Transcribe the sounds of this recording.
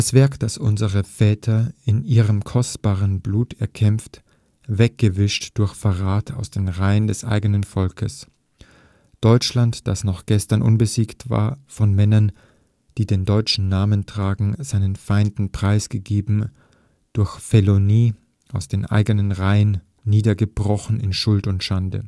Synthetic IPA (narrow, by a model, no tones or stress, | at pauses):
d̥asv̥ɛɐkd̥asʔʊ̰nzəʁəfɛːtʰɐɪnʔiːʁəmkʰɔstb̥aːʁənbluːtɛɐkʰɛmft | vɛk̚ɡ̥əvɪʃtd̥ʊɐçfɛʁaːtʰa̰ʊsd̥eːnʁaɪəndɛsʔa̰ɪɡənənfɔlkʰəs | d̥ɔʏt͡ʃlantd̥asnɔχɡ̥ɛstɐnʔʊ̰nbəziːktv̥a̰ːɐfɔnmɛnɐn | d̥iːdeːndɔʏt͡ʃn̩naːməntʁ̥aːɡŋ̩zaɪnənfaɪndn̩pʁ̥aɪsɡ̥əɡeːbm̩ | d̥ʊɐçfeloniː | ʔaʊsd̥eːnʔa̰ɪɡənənʁaɪənː | iːdɐɡəb̥ʁɔxn̩ɪnʃʊltʊntʃandə̰